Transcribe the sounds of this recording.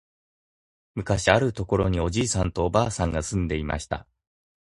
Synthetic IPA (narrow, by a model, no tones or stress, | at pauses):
mɯ̟kaɕiaɾɯ̟t̪o̞ko̞ɾo̞ɲ̟io̞ʑiːsãnt̪o̞ːbaːsãŋɡasɨ̃nd̪e̞ima̰ɕi̥t̪a̰